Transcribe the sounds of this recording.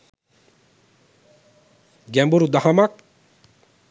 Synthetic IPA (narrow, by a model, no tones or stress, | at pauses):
ɡɛmbuɾud̪ahɐmak̚